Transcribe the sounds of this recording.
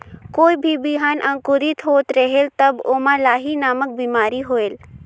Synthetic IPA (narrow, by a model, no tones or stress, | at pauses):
koːibʱibiɦaːnʔɐ̃ŋkʊɾit̪ɦoːt̪ɾəɦelt̪ɐboːmãlaːɦinaːmək̚biːmaːɾiɦoːeːl